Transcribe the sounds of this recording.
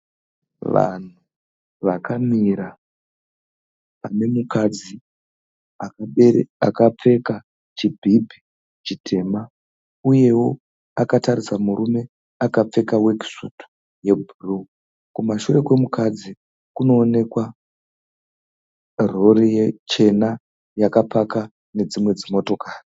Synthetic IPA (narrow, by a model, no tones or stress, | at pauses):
ʋa̰n̤u | ʋakamiɾa | ane̞mukʰad͡zi | a | a̰kap͡fe̞ka | t͡ʃibʱibʱi | t͡ʃitʰe̞ːma | uje̞wo̞ | akatarisamuɾume̞ | akap͡fe̞kawe̞ki̥soto̥ | je̞bʱuru | kumaʃure̞kwe̞mukad͡zi | kuno̞ːne̞kwa | rorijet͡ʃe̞na | jakapaka | ne̞d͡zimwe̞d͡zimo̞to̞kʰaːri